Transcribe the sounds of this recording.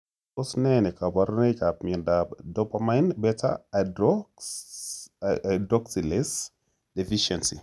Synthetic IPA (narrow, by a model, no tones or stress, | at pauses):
ɔsnɛnɛkabaɾnekap̚miɛndadɔpamajnbɛta̰dɔ | dɾɔksilɛs | defiʃɛnsi